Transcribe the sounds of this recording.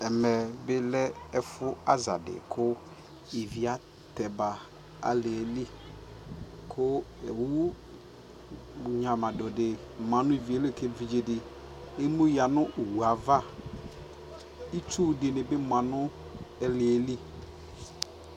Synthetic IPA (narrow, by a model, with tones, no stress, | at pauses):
ɛ˨mɛ˨bɪ˦lɛ˦ɛ˦fʊ˦a˦za̰˨dɪ̰˨kʰʊ˦ | i˨vi˨a˨ | t̪ɛ˨ba˨ | a̰˨lɪ˨ɛ˨li˦ | kʰʊ˦ɛ˨wu˦˨ | ɲã˨mã˨dɔ˨dɪ˨mã˨nʊ̃˦i˨vi˨e˦le˦˨t̪ʰe˦vi˨d͡ʒe˨dɪ˨ | e˦mu˦ja˨nʊ̃˦˨wu˨a˨va˦ | i˦t͡ʃu˦˨dɪ˨nɪ̃˨bɪ˦mã˨nʊ̃˦ | ɛ˦lɪ˨ɛ˨li˦